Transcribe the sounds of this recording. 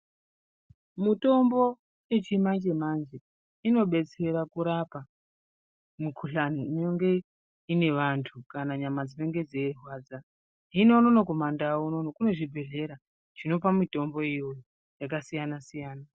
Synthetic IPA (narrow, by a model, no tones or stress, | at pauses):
mito̞mbo̞ | et͡ʃimand͡ʒe̞mand͡ʒe̞ | ino̞ɓe̞t͡se̞ɾakuɾapa | mukʰuɬaniinoŋɡe̞ | ine̞ʋantʰukanaɲamad͡zime̞ŋɡe̞d͡zerwaːd͡za | ɦino̞nonoko̞mandauno̞nokuno̞ʐibʱe̞ɮe̞ɾa | ʐ̥ino̞pamito̞mbo̞ijo̞jo | jakasijanasijaːna